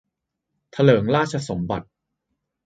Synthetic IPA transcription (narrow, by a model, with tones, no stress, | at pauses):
t̪ʰa˧lɤː˩˦ŋɾaː˥˩t̪̚t͡ɕʰa˧so˩˦mba̰˨˩t̪̚